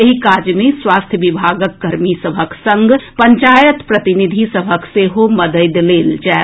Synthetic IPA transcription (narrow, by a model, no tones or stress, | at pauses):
eɦikad͡ʒjmẽswast̪ʰjəʋibʱaɡəkːəɾmisəbʱəksə̃ŋɡpəɲt͡ʃajət̪pɾət̪inid̪ʱisəbʱəkseɦoməd̪əjd̪leld͡ʒaɛ